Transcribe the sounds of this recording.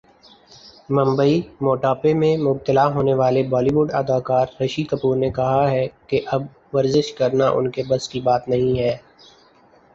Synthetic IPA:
mɐ̃mbəimoːʈaːpemẽmʊb̚t̪əlaɦoːneʋaːlebɔːliʋʊɖɐ̰d̪aːkaːɾɾɐʃikəpuːɾnekɐɦaɦɛkeʔɐb | ʋɐɾzɪʃkɐɾnaʔʊ̰nkebɐskibaːt̪nɐɦĩɦɛː

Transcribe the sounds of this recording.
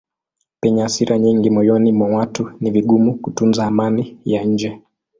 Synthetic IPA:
pɛɲasiɾʔaɲiŋɡimɔjɔnimwawatuniviɠumukutunzaːmanijaɲ̩d͡ʒɛ

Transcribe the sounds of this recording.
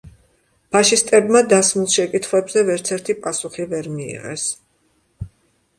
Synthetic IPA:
pʰaʃist̪ʼɛbmad̪asmulˠʃɛkʼit̪ʰχwɛbzɛvɛɾt̪sʰɛɾt̪ʰipʼasuχivɛɾmiḭʁɛ̰s

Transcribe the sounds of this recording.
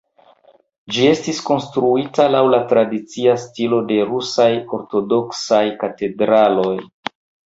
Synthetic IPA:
d͡ʒie̞stisko̞nstɾuitalawlatɾadit͡siastilo̞de̞ɾusajo̞ɾto̞do̞ksajkate̞dɾalo̞j

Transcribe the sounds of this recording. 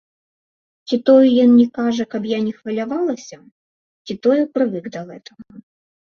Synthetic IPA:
t͡sʲit̪ɔjɛjɔnnʲɛkaʐɛkɐbjanʲɛxvɐlʲavalˠɐsʲɐ | t͡sʲit̪ɔjɛpɾɨvɨɡd̪ɐɣɛt̪ɐɣɐ

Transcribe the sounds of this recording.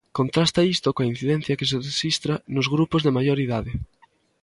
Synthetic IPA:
kont̪ɾast̪ɐist̪okoain̟θiðɛn̟θjɐkes̬eðesist̪ɾanʊzɣɾupozðemajoɾiðaðe

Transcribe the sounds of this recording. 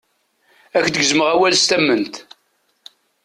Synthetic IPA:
ækd̪əɡzməʁæwælst̪æmːənt̪

